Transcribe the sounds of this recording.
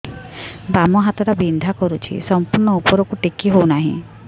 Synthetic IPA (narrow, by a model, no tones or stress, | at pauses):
bamɔɦat̪ɔɾabind̪ʱakɔɾut͡ʃʰḭsɔmpuɾɳɔupɔɾɔkuʈikiɦownaɦḭ̃